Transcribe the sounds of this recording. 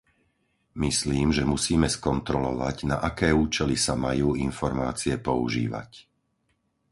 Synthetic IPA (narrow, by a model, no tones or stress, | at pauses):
misliːmʒɛmusiːmɛskɔnt̪ɾɔlɔʋa̰ɟnaʔakɛːuːt͡ʃɛlisamajuːinfɔɾmaːt͡siɛpɔṵʒḭːʋa̰c